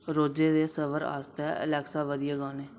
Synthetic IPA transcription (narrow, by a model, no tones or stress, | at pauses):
ɾoːd͡ʒeːd̪eːsəʋəɾa̰ːst̪ɛə̰lɛːksaːʋəd̪ɪjaːɡaːneː